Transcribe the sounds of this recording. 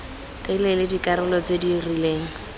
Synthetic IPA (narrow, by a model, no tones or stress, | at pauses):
tʼɪlɛlɪdikʼaɾɪlɔt͡sedirileːŋ̩